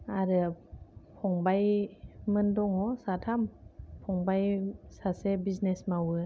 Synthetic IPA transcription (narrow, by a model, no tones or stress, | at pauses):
aɾɯ | pʰɔŋbajmɯndɔŋɔsatʰampʰɔŋbajsasebiznesmawɯ